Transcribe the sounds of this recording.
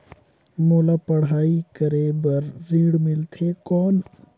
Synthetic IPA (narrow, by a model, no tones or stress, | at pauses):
moːlapɐɽɦaːikəɾebɐɾːiːɽmɪlt̪ʰeːkɔːn